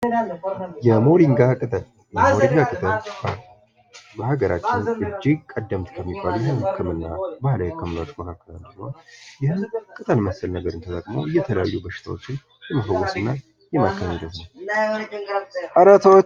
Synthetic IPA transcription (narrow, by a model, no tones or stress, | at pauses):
jɛmo̞ɾiŋɡakʼɨt̪ʼəl | jɛmo̞ɾiŋɡakʼɨt̪ʼəlba | bəhaɡəɾʔat͡ʃːɪnɨd͡ʒːiɡkʼəd̪ːəmt̪kʰəmːibːaljɛhɨnhəkːɨmɨnːabahlajɛkʰːəmlat͡ʃːkonakːəlald̪əɡməhojɪhɨnkʼɨt̪ʼəlməsəlnəɡəɾɨnt̪ʰət̪ʼəkʼmowɨjːɛt̪ʰələja̰jːubəʃːɪ̥t̪ʰa̰wo̞t͡ʃːɪn | jɛmafəwɔsɨnːa | jɛmakːəmid̪ət̪nəw | ʔaɾat̪awo